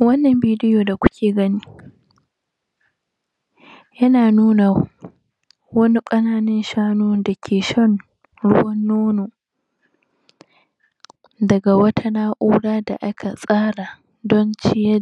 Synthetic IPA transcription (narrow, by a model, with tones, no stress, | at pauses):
wɐ˦nːɐ˨mbiː˦dɪ˦joː˨da˨kʷʊ˦kʲeː˨ɡɐ˦niː˦ | jɐ˦naː˨nuː˦na˨ | wɐ˦ni˦kʼɐ˦naː˦nɐ˦nʃaː˦noː˦dɐ˨kʲʰeː˨ʃɐ˦n | ɽʊ˦wɐ˦nːoː˦noː˨ | dɐ˨ɡa˨wɐ˦tʰa˦naː˦ʔuː˦ɽaː˦da˨ʔa˦kʰa˨sʼaː˦ɽa˨ | dɔ˦nt͡ʃɪ˦jɛ˦